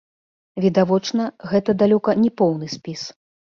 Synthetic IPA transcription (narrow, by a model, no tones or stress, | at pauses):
vʲid̪avɔt͡ʂnɐɣɛt̪ɐd̪alʲɔkɐnʲɛpɔwnɨsʲpʲis